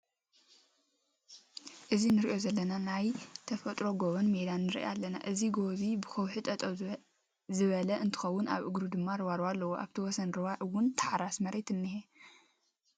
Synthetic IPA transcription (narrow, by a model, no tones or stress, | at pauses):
ʔɨzinɨɾiʔjo̞zɐlːɐnanajt̪ʰɐfɐt̪ʼɾo̞ɡoβɐnmed̪anːɨɾḭʔa̰lːɐna̰ʔɨziɡo̞βibɨxɐwħɨt̪ʼɐt̪ʼɐw | zɨβɐlɐʔɨnt̪ʰɨ̥xɐwːʊna̰βʔɨɡɾud̪ɨmːaɾɨwaɾwalːɐwoʔa̰βt̪ʰiwɔsɐnɾɨwawʊnt̪ʰḁħɾasmɐɾet̪ɨnːɨhe